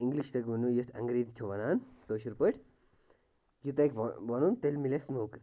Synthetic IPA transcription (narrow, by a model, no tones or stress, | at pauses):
iŋɡliʃt̪ɐkʋunujit̪ʰɐ̰ŋɡɾiːd̪t̪ʲʰuʋɐnaːnt̪oːʃuɾpəʈ | jut̪ekʋʋɐnunt̪elmilesnoːkɾ